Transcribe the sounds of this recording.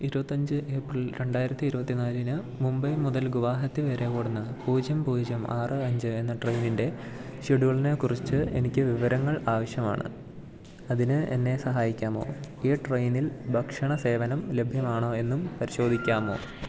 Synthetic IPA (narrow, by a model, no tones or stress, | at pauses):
iɾubɐt̪ːɐɲd͡ʑɨʔe̞ːprɐɭɾe̞ɳɖaːjiɾɐt̪ːiːɾubɐt̪ːinaːlinɨ | mumbɐjmuðɐlɡuʋaːɦɐt̪ːiʋeːɾekoːɽunːɐpuːd͡ʑjɐmpuːd͡ʑjɐma̰ːrɨɐɲd͡ʑɨe̞nːɐʈrejninde̞ɕiɽuɣɐɭinekurit͡ɕːɨe̞̰nikʲːɨʋiʋɐɾɐŋːɐɭaːʋɐɕjɐma̰ːɳɨ̰ | ɐðinɨʔḛnːe̞sɐɦaːjikʲːaːmo̞ːiːʈrejnilbʱɐkʂɐɳɐse̞ːʋɐnɐmle̞bʱjɐmaːɳo̞ːe̞nːumpɐɾiɕo̞ːd̪ʱikʲːaːmo̞̰ː